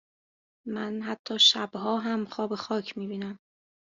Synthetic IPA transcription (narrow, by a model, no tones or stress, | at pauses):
mænɦæt̪ʰːɒːʃæbhɒːɦæmxɒːbe̞xɒːcʰmiːbiːnæm